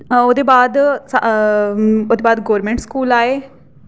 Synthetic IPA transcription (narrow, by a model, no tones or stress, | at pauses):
oːd̪eːbaːd̪sa | oːd̪eːbaːd̪ɡoːɾmẽːɳʈskuːlaːeː